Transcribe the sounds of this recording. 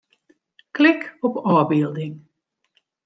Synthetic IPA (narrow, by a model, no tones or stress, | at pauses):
klɪkɔpɔːbiːlˠdɪŋ